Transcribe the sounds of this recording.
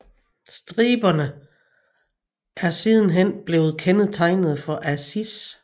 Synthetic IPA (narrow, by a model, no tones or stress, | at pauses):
sd̥ʁiːb̥ɐnə | ʔæɐsið̞ˠn̩ɦen̰b̥le̝ːʊð̞̩ˠkʰenəð̩ˠt͡sʰɑ̈ɪnəð̞̩ˠfɒ̽ʔæsis